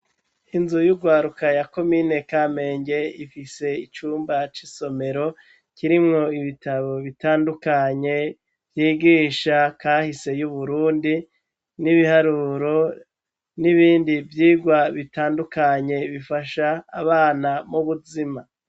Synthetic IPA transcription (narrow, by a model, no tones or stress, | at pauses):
inzujuɡwaːɾukajako̞mine̞kame̞ːɲɟe̞ifise̞it͡ʃuːmbat͡ʃiso̞me̞ɾo̞ | ciɾimŋo̞iβitaβo̞βitaːndukaɲe̞ | v̥jiːɡiːʃakaːhise̞juβuɾuːndi | niβihaɾuːɾo̞ | niβiːndivjiːɡwaβitaːndukaɲe̞βifaʃaːβaːnamuβuzima